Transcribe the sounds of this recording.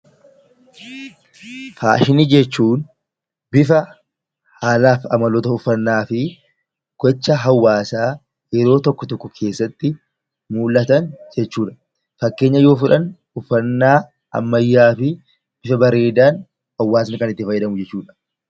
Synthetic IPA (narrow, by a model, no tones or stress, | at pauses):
faːʃɪnid͡ʒɛt͡ʃːuːn | bɪfɐ | haːlaːfɐ̰mɐlɔt̪ɐʊfːɐnːaːfɪ | ɡ̥ɔt͡ʃːɐɦɐwːaːsaː | jɛɾo̞ːt̪ɔkːɔt̪ɔkːɔkʰe̞ːsːɐt̪ːɪ | muːlʔɐt̪ɐnd͡ʒɛt͡ʃːuːᶑɐ̥ | fɐkːe̞ːɲːɐjo̞ːfʊᶑɐn | ʊfːɐnːaː | ʔɐ̰mːɐjːaːfɪ | b̥ɪfɐbɐɾe̞ːd̪aːn | hɐwːaːs̬ɐnɪkɐnɪt̪ːɪfɐjːɐd̪ɐmʊd͡ʒɛt͡ʃːuːᶑɐ̥